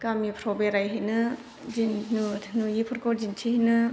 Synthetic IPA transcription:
kamipʰɾɔbeɾajɦinɯ | zinnunujipʰɯɾkɔɾzintʰihinɯ

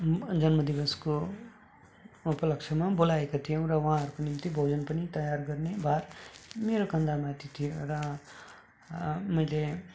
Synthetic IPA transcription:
d͡zʌnmʌd̪ibʌsko | upʌlʌkt͡ʃʰʌmabolaekat̪ʰijʌ̃w̃ɾʌwʌɦãɦʌɾukonimt̪ibʱowd͡zʌnpʌnit̪ʌjarɡʌrnebʱarmeɾokʌnd̪ʱamãt̪it̪ʰijorʌ | mʌjle

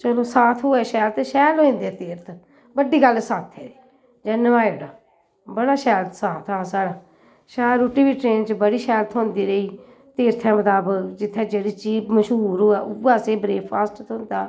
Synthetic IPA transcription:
t͡ʃəloːsaːt̪ʰɦoːɛːʃɛːlt̪ʃɛːloːĩːnd̪eːt̪eːɾt̪ʰ | bəɖiːɡəlːsaːt̪ʰɛːeː | d͡ʒənəʋaːjɽaː | bəɽaːʃɛːlt̪saːt̪ʰaːsaːɽaː | ʃɛːɾuʈːiːbiːʈɾeːnt͡ʃbəɽiːʃɛːlt̪ʰõːnd̪iːɾəiː | t̪eːɾt̪ʰɛ̃ːmət̪aːbəkd͡ʒɪt̪ʰːɛːd͡ʒeːɽiːt͡ʃiːpməʃɦuːɾoːɛːʔʊaːseːbɾeːaːsʈt̪ʊ̃nd̪aː

